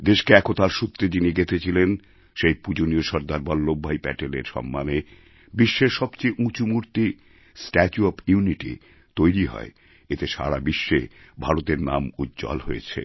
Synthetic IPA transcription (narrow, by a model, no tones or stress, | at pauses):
d̪eʃkeɛkot̪aɾʃut̪ːɾed͡ʑiniɡet̪ʰet͡ɕʰilen | ʃejpud͡ʑonioʃɔɾd̪aɾbɔlːobʱːajpɛʈeleɾʃɔ̰mːane | biʃːeɾʃɔbt͡ɕejʔũt͡ɕumuɾt̪i | sʈɛt͡ɕuɔpʰjuniʈḭ | t̪ojɾiɦɔ̰e | et̪eʃa̰ɾabiʃːebʱaɾot̪eɾna̰mud̪d͡ʑɔ̰lɦoḛt͡ɕʰḛ